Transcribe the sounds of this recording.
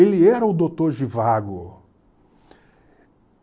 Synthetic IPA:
elɪɛɾɐʊd̪ot̪oɾʒivaɡʊ

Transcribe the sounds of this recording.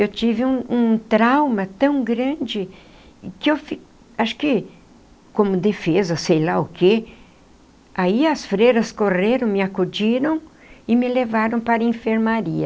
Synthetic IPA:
ewt͡ʃivɪũũt̪ɾawmɐt̪ɐ̃w̃ɡɾɐ̃d͡ʒɪ | kɪewfi | aʃʊ̥kɪ | kõmʊd̪efezɐsejlaʊke | aiɐsfɾeɾɐskoreɾɐ̃w̃mɪakud͡ʒiɾɐ̃w̃ | ɪmɪlevaɾɐ̃w̃paɾɐẽfeɾmaɾiɐ

